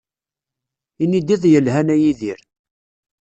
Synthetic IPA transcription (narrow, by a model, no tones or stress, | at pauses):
inid̪iðˤjəlɦænæjiðiɾ